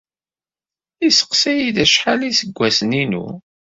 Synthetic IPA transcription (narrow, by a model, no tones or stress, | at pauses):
isə̥qsæjiðæʃħalisəɡʷːæsninṵ